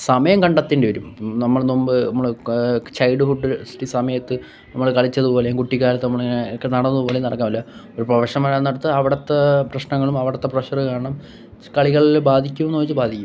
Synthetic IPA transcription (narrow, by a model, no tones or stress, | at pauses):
sɐmɐjɐmkɐɳɖɐt̪ːiɳɖeʋɾumnɐmːɐɭnombɨɐmːɐɭt͡ɕɐjɖɨfuɖːɨsʈisɐmɐjɐt̪ːɨ | nɐmːɐɭkɐɭit͡ɕːɐðubo̞ːlekuʈːikʲːaːlɐt̪ːɨnɐmːɐɭːnekːenɐɽɐnːɐðɨbo̞ːlenɐɽɐkːaːmɐlːɐoɾuprɐʋɐʂɐmɐɻanːɐɽut̪ːɨɐʋiɽɐt̪ːeprɐɕnɐŋːɐɭumɐʋiɽɐt̪ːeprɐɕɐrɨkaːɳɐɳɐm | kɐɭiɣɐɭbaːd̪ʱikʲːumenːoit͡ɕːɨbaːd̪ʱikʲːum